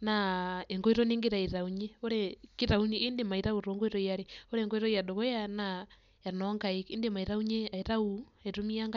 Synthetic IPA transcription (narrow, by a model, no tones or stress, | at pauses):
naeŋɡoiɾɔneŋɡiɾaiɾauɲeoɾɛkiɾauniendemaiɾauɾoŋɡoiɾɔiaɾeoɾɛːŋɡoiɾɔiadoɣɔjana | janɔŋɡaikindemaiɾauɲeaiɾauaiɾomiaŋɡa